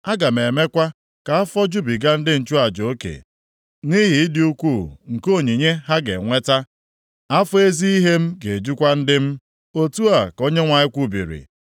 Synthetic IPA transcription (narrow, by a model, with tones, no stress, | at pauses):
a˦ɡa˨m̩˨e˨me˦kʷa˦ | ka˨a˦fɔ˦d͡ʒu˦bi˨ɡa˦n̩˦dɪ˦n̩˨t͡ʃu˦a˨d͡ʒo˨o˦kḛ˨ | ni˦ɦi˨˦dɪ˦u˦kʷu˦˨ŋ̩˨ko˦˨ɲi˨ɲe˦ɦa˦ɡḛ˨ŋʷe˦ta˦ | a˦fɔ˦e˦zi˦i˦ɦe˦m̩˦ɡe˨d͡ʒu˦kʷa˦n̩˦dɪ˦m̩˦ | o˦tu˦a˨ko˦ɲe˦ŋʷa˨ɲɪ˦kʷu˦bḭ˨ɾḭ˨